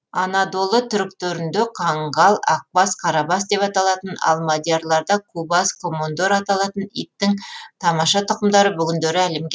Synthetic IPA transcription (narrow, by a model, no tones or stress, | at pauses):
ɑnɑd̪o̞lˠət̪ʰʏɾk̚t̪ɵɾɪnd̪eqʰɑɴɢɑlˠɑk̚bɑsqʰɑɾɑbɑsd̪e̞pɑt̪ɑlˠɑt̪ənɑ̰lˠmod̪ʲjeɾlˠɑɾd̪ɑkʰubɑskʰomond̪oɾɑt̪ɑlˠɑt̪ənḭjp̚t̪ːɪŋt̪ʰɑmɑʃɑt̪ʰʊqəmd̪ɑɾəbʏɡʲɪnd̪eɾɪæle̞mɡʲe